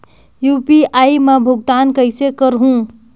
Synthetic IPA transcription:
jupiajmabʱuɡ̚t̪ankəjsekəɾɦũ

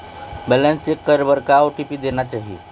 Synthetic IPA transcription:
bəlãnt͡sekːəɾʋəɾkaoʈipiːd̪enat͡ɕaɦḭ

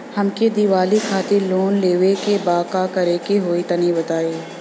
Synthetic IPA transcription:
hɐmked̪iʋaːlikʰaːt̪ɪɾloːnleːʋekebaːkakɐɾekeɦoːit̪ɐnibɐt̪aːeː

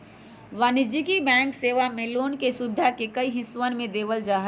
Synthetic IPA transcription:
ʋaːnɪd͡ʒikibɛ̃ːŋkseːʋamẽloːnkesubɪd̪ʱakekəiɦɪ̃sʋənmẽd̪eːʋəld͡ʒaːɦə

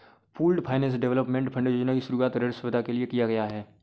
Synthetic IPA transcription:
puːlɖpʰaːɪnɛ̃ːsɖɛʋləpmẽɳʈpʰɐ̃ɳɖjoːd͡ʒnakiʃʊɾuaːt̪ɾeɽsʊʋɪd̪ʱakeliekijaɡɐjaɦɛː

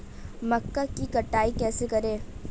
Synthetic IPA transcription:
mɐkːakikɐʈːaːikɛːsekɐɾẽː

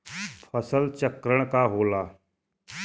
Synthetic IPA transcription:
pʰəsəlt͡ʃəkɾəɽ̃kaɦoːlaː

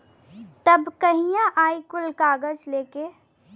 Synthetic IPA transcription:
t̪ɐbkəɦijãʔaːikʊlkaːɡəd͡ʒleːke

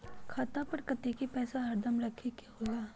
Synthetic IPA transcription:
kʰaːt̪apɐɾkɐt̪ekipɛːsaɦɐɾd̪ʱɐmɾɐkʰekeɦoːɡaː

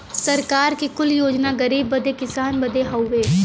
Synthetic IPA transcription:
sɐɾkaːɾkikʊljoːd͡ʒnaɡəɾiːbːɐd̪ekɪsaːnbɐd̪eɦɐʊʋeː

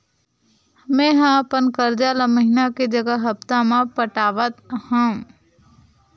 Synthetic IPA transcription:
mẽːɦãpənkəɾd͡ʒaləməɦinaked͡ʒəɡəɦəpt̪ãmãpəʈaːʋət̪hãũ

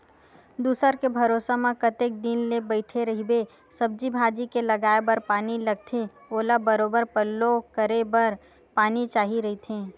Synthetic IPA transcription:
d̪uːsəɾkebʱɐɾoːsamãkət̪ek̚d̪inlebəɪʈʰeɾɐɦibe | sɐb̚d͡ʒibʱaːd͡ʒikelɐɡaːebəɾpaːnilɐɡ̚t̪ʰe | oːlabəɾoːbəɾpəlːokəɾebɐɾ | paːnit͡ʃaːɦiɾɐɦit̪ʰẽː

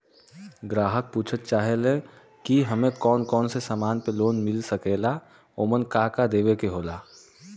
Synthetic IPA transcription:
ɡɾaːɦək̚puːt͡ʃʰət̪̚t͡ʃaːɦelẽ | kiɦəmẽkɔːnkɔːnsesaːmaːnpeloːnmɪlsəkeːla | oːmənkaːkad̪eːʋekeɦoːlaː

